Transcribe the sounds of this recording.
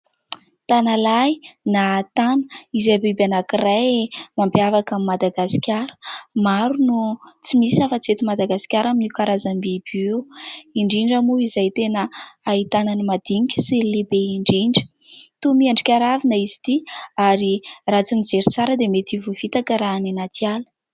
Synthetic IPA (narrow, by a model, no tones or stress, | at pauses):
t̪analajnat̪anə̥izabebanakirajmambjavakamimad̪aɡasi̥kʲaɾə̥maɾunut͡simisafət͡set̪imad̪aɡasi̥kʲaɾaminikaɾazambibiewiɳɖ͡ʐiɳɖ͡ʐamuizajt̪enəait̪ananimad̪iikʲə̥silebeiɳɖ͡ʐiɳɖ͡ʐə̥ | t̪umiaɳɖ͡ʐikʲaɾavinəizi̥t̪iaɾirat͡simid͡zeɾit͡saɾəd̪emet̪ivuvit̪akəɾaninat̪ialə̥